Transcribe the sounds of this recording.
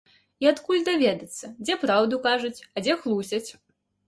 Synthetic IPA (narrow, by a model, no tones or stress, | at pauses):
iat̪kulʲd̪avʲɛd̪ɐt̪sːɐd͡zʲɛpɾawd̪ukaʐɐt͡sʲɐd͡zʲɛxlˠusʲɐt͡sʲ